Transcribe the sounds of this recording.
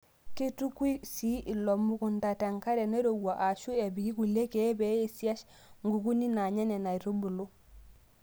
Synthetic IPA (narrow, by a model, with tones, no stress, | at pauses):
ke˦tu˦kwi˦si˦ʔi˨lo˨mu˦ku˨nta˨te˨ŋka˦ɾe˨ne˦ɾo˨wa˨ʔa˨ʃu˦e˨bi˨ki˦ku˨le˦ke˨˦be˨˦e˦si˦a˦ʃ | ŋɡu˨ku˦ni˦na˨ɲe˦ne˨na˨i˨ɾo˦bu˨lu˦